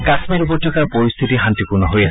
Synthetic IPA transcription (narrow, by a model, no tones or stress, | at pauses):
kasmiɾupɔtːɔkaɹpoɹist̪ʰitiɦant̪ikunɔɦojas